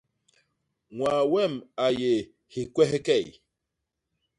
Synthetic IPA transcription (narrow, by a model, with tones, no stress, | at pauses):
ŋwaː˨wɛ˦˨ma˨je˨ | hi˨kwɛ˦hkɛ˦˨j